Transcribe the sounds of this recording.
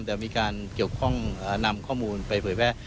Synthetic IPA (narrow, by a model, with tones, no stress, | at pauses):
mt̪ɛː˨˩miː˧kaː˧nki˨˩əwkʰɔ˥˩ŋaː˨˩na˧mkʰɔː˥˩muː˧npa˧jpʰɤː˩˦jpʰɛː˥˩